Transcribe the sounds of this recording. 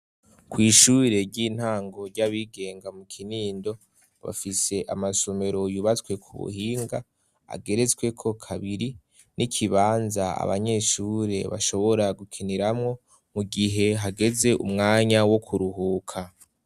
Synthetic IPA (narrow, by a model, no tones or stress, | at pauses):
kwiːʃuːɾe̞ɾɟiːn̥haːŋɡo̞ɾɟaβiɡe̞ːŋɡamukʰiniːndo̞ | βa̰fise̞ʔamasome̞ɾo̞juβat͡swe̞kʰuβṵhiːŋɡa | a̰ɡe̞ɾe̞t͡swe̞kʰo̞kʰaβiɾi | nʔikʰiβaːnzaa̰βa̰ɲe̞ːʃuːɾe̞βa̰ʃo̞βo̞ɾaɡukʰiniɾamŋo̞ | muɡiɦe̞ɦaɡe̞ze̞ʔṵmŋaːɲawo̞kʰuɾuɦuːkʰa